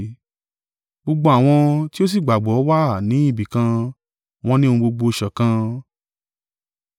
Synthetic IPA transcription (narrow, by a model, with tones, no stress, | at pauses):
ɡ͡bo˧ɡ͡bo˧˦a˨w̃ɔ̃˧ti˦o˦s̬i˦˨ɡ͡ba˨ɡ͡bɔ˨˦wa˦˨nĩ˨˦i˦˨bi˨kã˧ | w̃ɔ̃˦nĩ˦ũ˧ɡ͡bo˧ɡ͡bo˧ʃɛ˨kã˧